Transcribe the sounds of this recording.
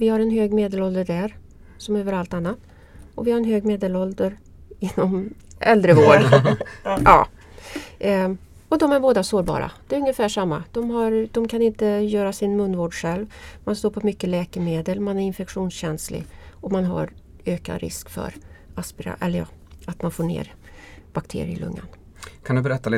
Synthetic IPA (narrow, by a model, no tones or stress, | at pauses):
vɪhaɾɛnɦøːɡmeːd̪əlɔld̪əɖæɾ | sɔmøːvəɾalt̪anːat̪ | ɔvɪhaɾɛnɦøːɡmeːd̪əlɔld̪əɾ | ɪnːɔmʔɛ̰ld̪ɾəvoːɖ | ʔɑ̰ː | ɔd̪ɔmæɾboːd̪asoːɾbɑ̰ːɾa̰d̪̥ɛːɾɵŋːjəfæːʂamːa̰d̪̥ɔmɦaɾd̪ɔmkʰanɪnt̪əjœːɾasɪnmɵnːvoːɖɧɛlvmanst̪oːɾpʰɔmʏkːəlɛːkəmeːd̪əlmanæɾɪnfɛkɧuːnsɕɛnslɪ̰ɔmanɦa̰ɾ | øːka̰ɾɪ̰skfœ̰ɾaspɪɾa̰ʔɛləjɑ̰ːat̪manfoːɳḛːɾ | b̥akt̪ʰḛːɾɪ̰ə̰lɵ̰ŋːa̰n | kʰand̪ɵbɛɾɛt̪ːalɪ